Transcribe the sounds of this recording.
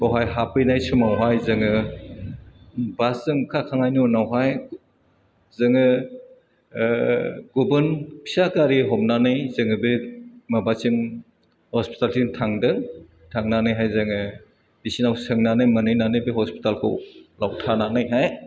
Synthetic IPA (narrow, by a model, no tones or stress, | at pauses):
bɔwɦajɦapɯjnajsumawɦajzɯŋɯ | baszɯŋkʰakʰaŋajnunawɦaj | zɯŋɯ | ɡubɯnpʰi̥sakaɾiɦɔmnanɯjz̥ɯŋɯbemabat͡ʃim | hɔspi̥taltintʰaŋdɯŋ | tʰaŋnanɯjɦajzɯŋɯ | bisinawsɯŋnanɯjmɯnɯjnanɯjbehɔspi̥talkʰɯ̰wlawtʰananɯjɦaj